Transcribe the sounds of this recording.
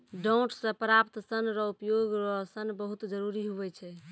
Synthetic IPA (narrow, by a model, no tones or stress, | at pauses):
ɖoʊʈssəpɾapt̪sənɾɔupjoɡɾɔsənbəɦut̪d͡ʒəɾuɾiɦuʋɛt͡ʃʰɛ